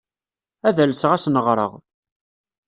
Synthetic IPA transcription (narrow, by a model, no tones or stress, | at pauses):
æðælsʁæsnəʁɾˤə̰ʁ